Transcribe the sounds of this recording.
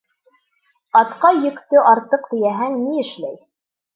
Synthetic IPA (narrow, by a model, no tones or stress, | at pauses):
ɑt̪qɑjɵ̆kt̪ɵʔɑɾt̪ɤqt̪ɘ̆jæɦæŋniɘ̆ʃlæj